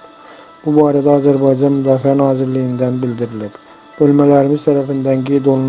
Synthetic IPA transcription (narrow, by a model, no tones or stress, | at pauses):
b̥ʊbɒːɾad̪aɒzaɾbɑjd͡ʒɑnmʊd̪ɑːfianɒːzɪɾlːɪɡʲɪnd̪anbɪld̪ɪɾɪlɪb | b̥ølmalaɾɪmɪzt̪ʰaɾafɪnd̪ankʲid̪olˠn